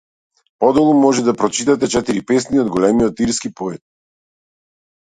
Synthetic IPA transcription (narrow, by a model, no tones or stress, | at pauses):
pɔd̪ɔlˠumɔʒɛd̪apɾɔt͡ʃit̪at̪ɛt͡ʃɛt̪iɾipɛs̬niɔd̪ɡɔlɛmiɔt̪iɾskipɔɛt̪̚